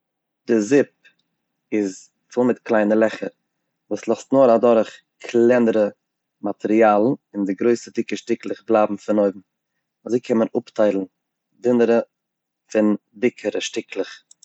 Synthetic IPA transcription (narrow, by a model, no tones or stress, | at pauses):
d̥ɪzɪp̚ | ɪz | fɪlˠmɪtklˠaɪnəlˠɛχəɾ | vuːslˠɔstnoːɾadɔɾχ | kʰlɛnəɾə | matʰɛɾialˠn̩ɪndɪɡɾoɪsədɪkəʃtɪklˠɪχblˠaːbm̩fɪnoɪbm̩ | azoɪkʰɛmənʊptaɪlˠn̩ | dɪnəɾə | fɪn | dɪkʰəɾəʃtɪklˠɪχ